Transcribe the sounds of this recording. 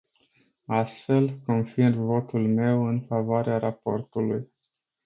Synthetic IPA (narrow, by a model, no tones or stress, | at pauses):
ast̪fe̞lko̞nfirvo̞t̪ulme̞wɨnfavoaɾeaɾapo̞rt̪uluj